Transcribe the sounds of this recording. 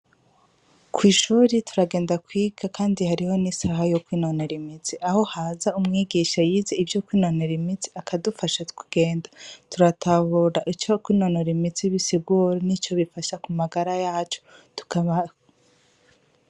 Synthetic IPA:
kʰwiːʃuːɾitʰu̥ɾaɡe̞ːndakwiːɡakaːndihaɾiho̞nisaɦajo̞kwiːno̞ne̞ɾimit͡siʔaho̞hazaumŋiːɡiʃajiːze̞ivjo̞kwiːno̞ne̞ɾimit͡si̥akʰadufaʃatu̥kuɡ̥e̞ːndatuɾatʰaβuɾaʔit͡ʃokwiːnonoɾimit͡siβisiɡuːɾonit͡ʃo̞βifaʃakumaɡaɾajaːt͡ʃotu̥kaβa

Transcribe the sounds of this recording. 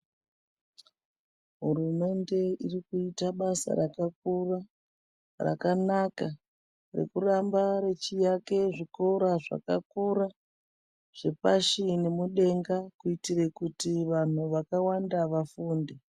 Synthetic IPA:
ɦurume̞nde̞irikuitaɓasa̰ɾakakura | ra̰kanaka | re̞̰kurambare̞t͡ʃijake̞ʐikoɾaʐa̰kakuɾa | ʐ̥epaʃine̞muɗe̞ŋɡakuitire̞kutiʋan̤uʋakawandaʋafuːnde

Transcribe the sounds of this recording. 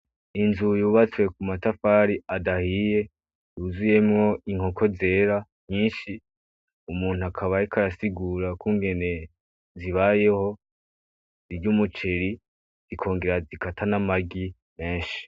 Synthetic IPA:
inzujuːβat͡swe̞kumatafaːɾiadahije̞ | juzuje̞mŋo̞iŋho̞kʰo̞ze̞ːɾa | ɲiːnʃi | umuːn̥uakʰaβaikʰaɾasiɡuːɾakuːŋɡe̞ne̞ | ziβaje̞ho̞ | ziɾɟumut͡ʃe̞ɾi | z̥ikʰo̞ːŋɡe̞ɾazikʰatʰanamaɡi | me̞ːnʃi̥

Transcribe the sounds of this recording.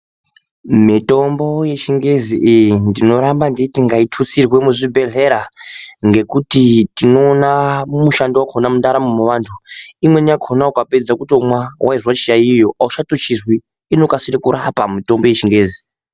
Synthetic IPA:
mito̞mbo̞je̞t͡ʃiŋɡe̞ziʔːjindino̞ɾambanditiŋɡaitʰut͡sirwe̞muʐibʱe̞ɮe̞ɾaŋɡe̞kutitino̞ːnamuʃandiwakʰonamundaɾamumuʋaːntʰuimwe̞niakʰonaukaped͡zakutiomwawʔaiʐwat͡ʃiaijo̞ʔauʃatot͡ʃizwiː | no̞kasiɾekuɾapamito̞mbo̞jet͡ʃiŋɡe̞ːzi

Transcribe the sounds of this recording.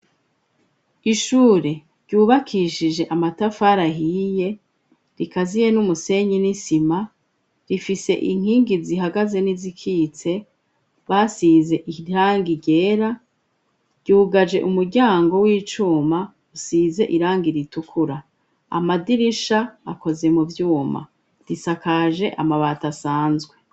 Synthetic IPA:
iʃuːɾe̞ | ɾɟuːβakʰiʃid͡ʒe̞ʔamatafaɾaɦije̞ | ɾikazije̞numuse̞ɲinisima | ɾifise̞̰ʔiŋ̥hiːŋɡiziɦaɡaze̞nizikʰit͡se̞ | βasize̞ʔiɾaːŋɡiɟeːɾa | ɟ̥uːɡad͡ʒe̞̰ʔumuɾɟaːŋɡo̞wiːt͡ʃuːma | usize̞ʔiɾaːŋɡiɾitukʰuɾa | a̰madiɾiʃaːko̞ze̞muvjuːma̰ | ɾisakaʒe̞ʔamaβatasaːnzɡwe

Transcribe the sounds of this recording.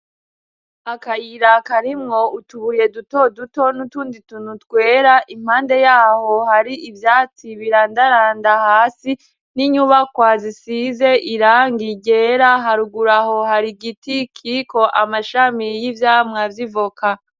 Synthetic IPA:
akajiɾakaɾimŋo̞utuβuɾije̞duto̞duto̞nutuːnditunutkwe̞ːɾaʔim̥haːnde̞jaːho̞haɾiʔivjaːt͡siβiɾandaɾaːndahaːsi | niɲuːβakwaːzisiːze̞ʔiɾaːŋɡiɟe̞ɾaɦaɾuɡuɾaɦo̞haɾiɡitikʰiko̞ʔamaʃamijivjamŋavjivoka

